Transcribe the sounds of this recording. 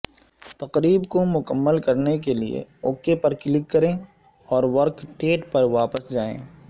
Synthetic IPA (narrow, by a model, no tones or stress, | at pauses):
t̪ɐqɾiːbkomʊkəmːəlkɐɾnek̬eliḛoːkepɐɾkɪlɪkːɐɾẽː | ɔːɾʋɐɾkʈeːʈpɐɾʋaːpəsd͡ʒaːḛ̃ː